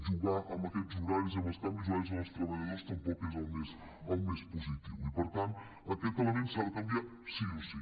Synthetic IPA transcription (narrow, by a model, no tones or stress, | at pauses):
ʒuɣaʔəmbəkɛt̪zuɾaɾzəβəst̪ambizuaɾz̬məst̪ɾəβəʎəðoɾst̪əmpɔkezəlˠmes | əlˠmespuzit̪iwipəɾt̪ant̪ | əkɛt̪əlˠəmẽnsaðəkəmbja | siusi